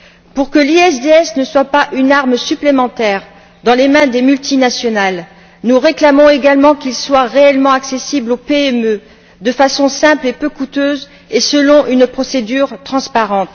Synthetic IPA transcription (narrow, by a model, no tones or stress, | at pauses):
puʁkəliɛsd̪eɛsnəswapaʔynaʁmsyplemɑ̃t̪ɛʁ | d̪ɑ̃lemɛ̃d̪emylt̪inasjɔnal | nuʁeklamɔ̃eɡalmɑ̃kilswaʁeɛlmɑ̃aksesiblopeɛmø | d̪əfasɔ̃sɛ̃plepøkut̪øz | esəlɔ̃ʔynpχɔsed̪yʁt̪χɑ̃spaʁɑ̃t̪